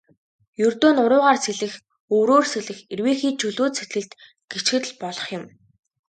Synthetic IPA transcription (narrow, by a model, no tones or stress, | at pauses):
jɵrt̪oːnʊɾʊːʁaːrseɮɘ̆x | ɵːɾoːrseɮɘ̆xerweːxiːt͡ɕʰɵɮoːt̪sʰet̪ɡɘ̆ɮt̪ | ɡ̥et͡ɕɡɘ̆t̪̆ɮpɔɮɞ̆χjɪ̆m